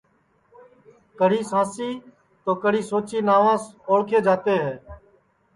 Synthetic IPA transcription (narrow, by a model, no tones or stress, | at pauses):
kəɽ̤iːsãːsiː | t̪oːkəɽ̤iːsoːt͡ʃiːnaːʋãːsoːɽkʰeːd͡ʒaːt̪eːɦɛː